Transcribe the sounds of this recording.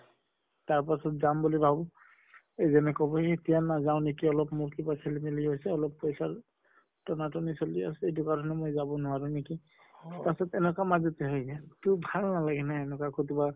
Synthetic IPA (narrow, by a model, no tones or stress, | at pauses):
taɹpasɔtzambulibʱabɔ | ezɛnɛkɔbɔetijanazaʊ̃nekiɔlɔpmuɹtibasʰelimiliɦojsɛɔlɔpːɔjsaɹ | tɔnatɔnisɔlia̰sɛejt̬ʊkaɹɔnɛmojzabɔnʊaɹʊ̃neki | tasɔtɛnɛkamazɔtɛɦɔjɡɛtʊbʱalnalaɡɛnaɛnɛkakotiba